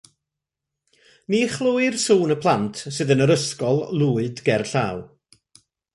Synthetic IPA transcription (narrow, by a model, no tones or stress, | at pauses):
niχlˠuɨrsuːnəpʰlˠantʰsɨðənəɾəskɔlˠlˠuːɨdɡɛrɬa̰w